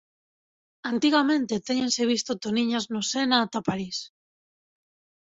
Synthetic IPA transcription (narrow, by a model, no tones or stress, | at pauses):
ant̪iɣamẽ̞nt̪e̞t̪eɲense̞β̞ist̪ot̪oniɲaznosenat̪apaɾis